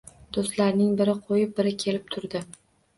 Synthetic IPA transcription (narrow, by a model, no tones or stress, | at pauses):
d̪̥ost̪laɾnɪŋbɪɾɪqʰojɪp̚bɪɾɪkʲʰe̞lɪp̚t̪ʰʊɾd̪ɪ